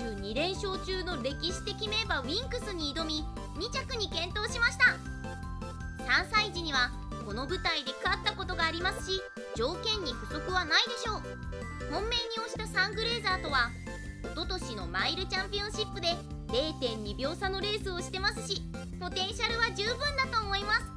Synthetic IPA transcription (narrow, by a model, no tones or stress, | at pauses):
ɲ̟iɾẽ̞ɰ̃ɕo̞ːt͡ɕɨːno̞ɾe̞kʲiɕi̥t̪e̞kʲime̞baĩŋkɯ̟sɨɲ̟iːd̪o̞mʲi | ɲ̟it͡ɕakɯ̟ɲ̟ikẽ̞nt̪o̞ːɕimaɕi̥t̪a | sãɰ̃said͡ʑiɲ̟iβ̞a | ko̞no̞bɯ̟t̪aid̪e̞kɯat̪ːako̞t̪o̞ɡaːɾʲimasɨ̥ɕi | d͡ʑo̞ːkẽ̞ɲ̟ːiɸɯ̟so̞kɯ̟βanaid̪e̞ɕo̞ː | hõ̞mːe̞ɲ̟ːio̞ɕi̥t̪asãŋɡɯ̟ɾe̞ːzaːt̪o̞β̞a | ot̪o̞t̪o̞ɕino̞̰maiɾɯ̟t͡ɕãmpʲiõ̞ɕipːɯ̟d̪e̞ | ɾe̞ːt̪ẽ̞ɲ̟ːibʲjo̞ːsano̞ɾe̞ːsɨo̞ɕi̥t̪e̞masɨɕi | po̞t̪ẽ̞ɰ̃ɕaɾɯ̟βaʑɨːbɯ̟̃nd̪at̪o̞ːmo̞imasɨ̥